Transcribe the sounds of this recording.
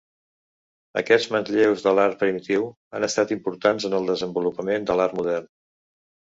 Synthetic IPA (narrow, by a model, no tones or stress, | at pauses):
ə̰kɛd͡zmənzʎewzðəlaɾ̚pɾimit̪iw | a̰nəst̪at̪impuɾt̪anzənəlˠd̪əzəmbulupəmend̪əlaɾmuðɛrn